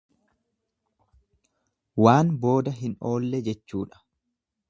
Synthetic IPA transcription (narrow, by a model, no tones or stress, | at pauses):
waːnbo̞ːd̪ɐɦɪno̞ːlːɛd͡ʒɛt͡ʃːuːᶑɐ̥